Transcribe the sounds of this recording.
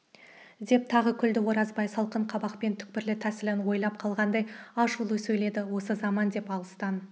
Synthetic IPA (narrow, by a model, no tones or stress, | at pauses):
d̪e̞p̚t̪ʰɑʁəkʲʰʏld̪ɪwo̞ɾɑzbɑjsɑlˠqəɴqʰɑbɑqpe̞nt̪ʰʏ̥k̚pɪɾlɪt̪ʰæsɪlɪnwo̞jlˠɑp̚qʰɑlˠʁɑnd̪ɑjɑʃulˠəsɵjle̞d̪ɪwo̞səzɑmɑnd̪e̞pɑlˠəst̪ɑn